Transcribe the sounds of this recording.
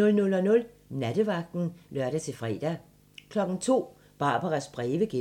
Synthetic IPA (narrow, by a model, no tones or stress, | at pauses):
nɔ̽lnɔ̽lɒ̽nɔ̽l | næd̥əʋɑ̈ɡ̥̚d̥n̩lɶɐɾət͡sʰe̝fʁɛ̰d̥æ | kʰlɒ̽ɡ̥n̩t͡sʰo̝̰ː | b̥ɑ̈ːb̥ɐʁɑsb̥ʁɛːʋəɡ̥e